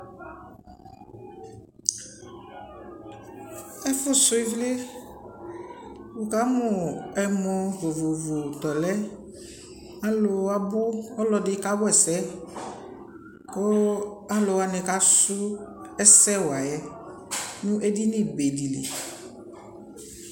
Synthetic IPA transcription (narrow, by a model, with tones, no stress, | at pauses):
ɛ˦fʊ˦sʊ˦i˦vlɪ˦ | wu˨ka˨˦mʊ˨ɛ˨mɔ̃˨vʊ˨vʊ˨vʊ˨t̪ɔ˨lɛ˦ | a˦lʊ˨a˨bʊ˦ɔ˦lɔ˨dɪ˦ka˦bʊ˦ɛ˨sɛ˦ | kʊ˦a˨˦lʊ˨a˨nɪ̃˨ka˨˦sʊ˦ɛ˦sɛ˦wa˨jɛ˦ | nʊ̃˦ʔɛ˦dɪ˦nɪ˨be˨di˨lḛ˨